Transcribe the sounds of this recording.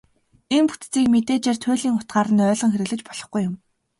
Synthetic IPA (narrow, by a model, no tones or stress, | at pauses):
enpu̥t̪t͡siːkmet̪eːt͡ɕeːrt̪ʰʊːɮiːŋʊ̥t̪̚ɢaːɾə̆nœːɮɞ̆ŋxeɾɘ̆ɮɘ̆t͡ɕpɔɮ̥ɞ̥̆χɡujːʊm